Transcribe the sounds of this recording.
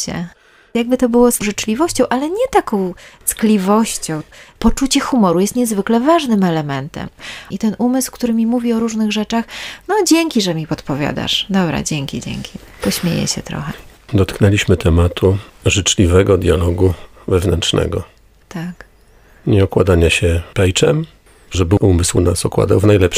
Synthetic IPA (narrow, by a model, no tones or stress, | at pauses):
t͡ɕɛ̰ | jaɡ̚bɘt̪ɔbɘwɔsʐɘt͡ʂlʲivɔɕt͡ɕɔ̃w̃ʔalɛɲɛt̪akɔ̃w̃t̪sklʲivɔɕt͡ɕɔ̃w̃pɔt͡ʂut͡ɕɛxumɔɾujɛst̪ɲɛzvɘklɛvaʐnɘmɛlɛmɛnt̪ɛ̰mit̪ɛnumɘskt̪uɾɘmʲimuvʲiɔɾuʐnɘɣʐɛt͡ʂaxnɔd͡ʑeŋkʲiʐɛmʲipɔt̪pɔvʲja̰d̪a̰ʂd̪ɔbɾa̰d͡ʑeŋkʲid͡ʑḛŋkʲʰipɔɕmʲjḛjɛ̰ɕɛt̪ɾɔ̰xɛd̪ɔt̪knɛlʲiɕmɘt̪ʰɛmat̪ʰuʐɘt͡ʂlʲivɛɡɔd̪ʲjalɔɡu | vɛvnɛnt͡ʂnɛ̰ɡɔ | t̪ak | ɲɛɔkwad̪aɲaɕɛpɛjt͡ʂɛm | ʐɛbɘʔumɘswnasɔkwa̰d̪awvnajlɛp